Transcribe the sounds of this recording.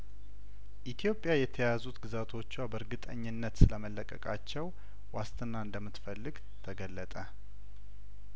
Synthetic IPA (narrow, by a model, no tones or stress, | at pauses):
ʔit̪ʰijo̞pʼːjajɛt̪ʰəjazut̪ɡɨzat̪ʰo̞t͡ʃːwabəɾɡɨt̪ʼəɲːɨnːət̪sɨləməlːəkʼəkʼat͡ʃːɛw | wast̪ʰʼɨnːaɨnd̪əmːɨt̪fəlːɨɡ | t̪ʰəɡəlːət̪ʼə